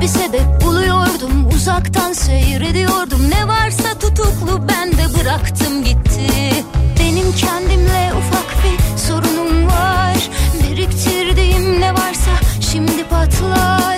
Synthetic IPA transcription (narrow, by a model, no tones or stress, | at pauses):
bised̪ɛp̚bulˠujo̞ɾd̪umuzakt̪ʰansø̞jɾe̞d̪ijoɾd̪umnɛvaɾsat̪ʰut̪ʰuklˠubænd̪ɛbɯɾakt̪ʰɯmɟit̪ʰːibe̞nimcʰɛnd̪imlʲɛufakbiso̞ɾunumvaɾbiɾict̪ʰiɾd̪imnɛvaɾsaʃimd̪ipʰat̪ʰlˠa